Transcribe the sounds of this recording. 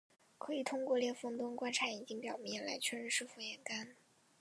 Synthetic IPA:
kʰɤ˧˥i˨˩t̪ʰʊ˥ŋkwɔ˥˧ljɛ˥˩nfɤ˥˩ŋt̪ʊ˥ŋkwa˥nʈ͡ʂʰa˧˥i˨˩t͡ɕi˥ŋpjɑ˨˩ʊmjɛ˧˥˩nla̰˧˥ɪt͡ɕʰɥɛ˥ɻə˧˥nʂɻ̩˥˩fu˥jɛ˧˥nka˥n

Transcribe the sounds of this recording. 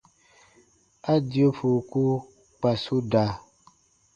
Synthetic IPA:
a˦di˨o˦fu˨ku˦ | k͡pa˨su˦da˨

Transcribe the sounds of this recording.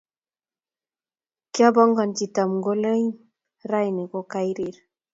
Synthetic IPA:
kja˦bɔ˦ŋɡɔ˨nt͡ʃi˨ta˨mŋɡo˦le˦ɲ | ɾa˦jne˨kɔ˦ka˦jɾi˨ɾ

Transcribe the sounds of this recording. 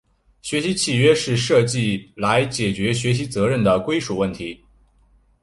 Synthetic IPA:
ɕɥɛ˧˥ɕi˧˥t͡ɕʰi˨˩ɥɛ˥ʂɻ̩˥˧ʂɤ˥˧t͡ɕi˥˩la˧˥ɪt͡ɕjɛ˨˩t͡ɕɥɛ˧˥ɕɥɛ˧˥ɕ̬i˧˥t͡sɤ˧˥ɻə˥˩nd̪ə˩kwe˥ɪʂu˨˩wə˥˩nt̪ʰi˧˥

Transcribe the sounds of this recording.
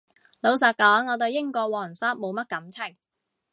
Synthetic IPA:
lo˨˧ws̬ɐː˨t̚kɔː˨˥ŋːɔː˨˧t̪o˨˧wjɪ˥ŋkɔː˧wɔː˨˩ŋsaː˥t̚mo˨˧wmɐ˥t̚kɐ˨˥mt͡sʰɪ˨˩ŋ

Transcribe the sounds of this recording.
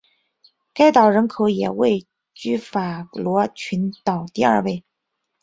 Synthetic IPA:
ka˥˩ɪt̪ɑ˨˩ʊɻə˧˥nkʰo˧˥ʊjɛ˨˩we˥˩ɪ | t͡ɕy˥˩fa˨˩lwɔ˧˥t͡ɕʰy˧˥nt̪ɑ˨˩ʊt̪i˥˧ɐ˞˥˧we˥˩ɪ

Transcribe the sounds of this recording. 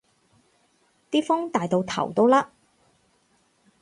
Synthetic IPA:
t̪iː˥fʊ˥ŋt̪aː˨jt̪o˨˧wt̪ʰɐ̰˨˩wt̪o˥wlaː˥

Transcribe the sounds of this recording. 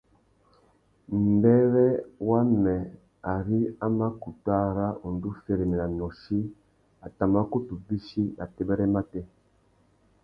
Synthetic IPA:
m̩˨bɛ˦ɾɛ˦wa˦mɛ˨ | a˨ɾi˦a˦ma˦ku˨ta˦ɾa˦u˨n˨du˦fe˨ɾe˨mɛ˨la˨nɔ˨ʃi˦ | a˨ta˨ma˦ko˦tu˨bi˦ʃi˦na˨tɛ˦bɛ˦ɾɛ˦ma˦tɛ˦

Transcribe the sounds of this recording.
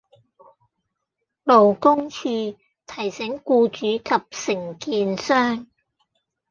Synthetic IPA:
lo˨wkʊ˥ŋt͡ʃʰyː˧ | t̪ʰɐ˨˩jsɪ˨˥ŋkuː˧t͡ʃyː˨˥kʰɐ˨p̚sɪ˨˩ŋkiː˧nsœː˥ŋ

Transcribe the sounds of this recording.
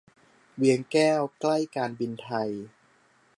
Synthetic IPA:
wi˨˦əŋkɛː˥˩wkla˥˩jkaː˧nbi˧nt̪ʰa˧j

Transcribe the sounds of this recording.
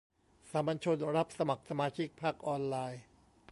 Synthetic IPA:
sa˩˦mba˧nt͡ɕʰo˧nɾa˦˥p̚sa˧ma˨˩k̚sa˧maː˧t͡ɕʰi˦˥k̚pʰaː˥˩k̚ʔɔː˧nlaː˧j

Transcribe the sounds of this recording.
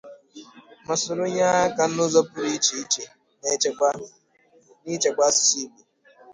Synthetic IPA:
ma˨sʊ˨ɾʊ˦ɲa˦ka˨n̩˦ʊ˦zɔ˦pʊ˦ɾi˦t͡ʃi˨i˦t͡ʃe˨ | ne˦t͡ʃe˨ɡ͡ba˦˨ | ni˦t͡ʃe˨ɡ͡ba˦ssi˦ɡ͡bi˨

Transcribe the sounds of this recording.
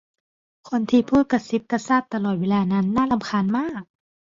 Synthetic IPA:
kʰo˧˨nt̪ʰiː˧˩pʰuː˧˥˩t̪̚ka˧˩si˧˦˥p̚ka˧saː˥˩t̪ːa˧lɔː˨˩t̪̚weː˧laː˧na˦˧˥nːaː˧˥˨la˧˨mkʰaː˧˥˨nmaː˥˩k̚

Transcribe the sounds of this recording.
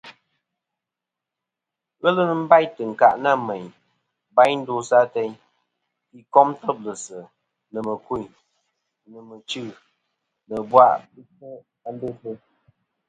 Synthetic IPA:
ɣə˦lə˦nə˦m̩˦ba˦jtɨ˨ŋ̩˨ka̰˨ʔna˦˨mɛ˨ɲ | ba˦jn̩˦do˦sa˦tɛ˦ɲ | ki˨kɔ˦mtə˦p̚lə˨sə˨ | nə˨mə˨ku˦˨ | nə˨mə˨t͡ʃɨ˦˨ | nə˨bwa˦˨ʔbi˦t͡ʃə˦ | a˨˦n˦be˦tə˦

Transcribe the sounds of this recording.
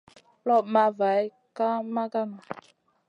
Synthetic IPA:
lɔ˦˨ma˧va˨j | ka˦ma˦ɡa˦˨n˨

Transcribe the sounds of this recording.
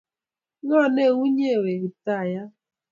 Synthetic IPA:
ŋɔ˦˨ne˦˨ŋʷu˦ɲe˦˨we˨ɾi˨ta˦˨ja˦

